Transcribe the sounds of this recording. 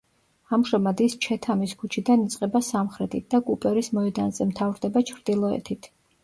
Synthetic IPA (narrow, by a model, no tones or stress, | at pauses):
amʒamad̪ist͡ʃʰɛt̪ʰamiskʰut͡ʃʰid̪anit̪sʼqʼɛbasamχɾɛt̪ʰit̪̚d̪̥akʼupʼɛɾismɔɛd̪anzɛmt̪ʰavɾd̪ɛbat͡ʃʰɾd̪ilˠɔɛ̰t̪ʰit̪ʰ